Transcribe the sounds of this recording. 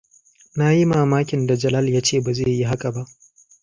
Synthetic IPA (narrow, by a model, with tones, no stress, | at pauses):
na˦ji˦maː˨maː˦kʲɪ˨nda˨d͡ʒɐ˨lɐ˦ljaː˦t͡ʃeː˦˨ba˨ze˦˨ji˦ɦa˦ka˨ba˦ʔ